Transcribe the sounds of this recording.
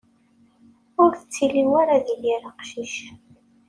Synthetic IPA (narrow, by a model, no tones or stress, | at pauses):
ʊɾθət͡sːilimaɾaðilːiɾɑqʃiʃ